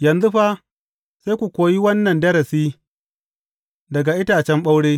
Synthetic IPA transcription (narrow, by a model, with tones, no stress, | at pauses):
jɐ˨nzu˦ɸa˦ | se˦jkʷu˨kʷoː˨ji˦wɐ˦nːɐ˨ndɐ˦ɾɐ˨siː˦ | dɐ˨ɡa˨ʔɪ˦taː˨t͡ʃɛ˦mɓa˦wɽeː˦